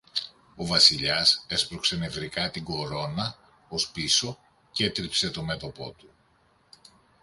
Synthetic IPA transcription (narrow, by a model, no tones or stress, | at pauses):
o̞vɐsiʎɐse̞spɾokse̞nevɾikɐt̪iɡo̞ɾo̞nɐ | o̞spiso̞ | ce̞t̪ɾipse̞t̪o̞me̞t̪o̞po̞̰t̪u